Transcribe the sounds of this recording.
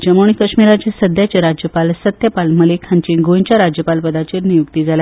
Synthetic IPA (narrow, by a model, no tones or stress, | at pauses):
d͡ʑəmoɳ̃ikəkɕmiɾad͡ʑesəd̪ʱjat͡ɕaɾad͡ʑjəpalsət̪jəpalməlekʰaɲt͡ɕiɡoj̃t͡ɕjaɾad͡ʑjəpalpəd̪at͡ɕiɾnijukt̪iːd͡zʱala